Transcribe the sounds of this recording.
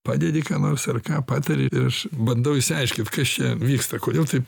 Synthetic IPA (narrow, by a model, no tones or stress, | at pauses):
pɑːd̪ʲed̪ʲɪkɑːnoːrsɐrkɑːpɑːt̪ɐɾʲɪɪɾɐʃbɐnd̪ɐʊɪsʲɪɐɪʃʲkʲɪnt̪kɐst͡ʃʲɛʋʲiːkst̪ɐkoːd̪ʲeːlˠt̪ɐɪp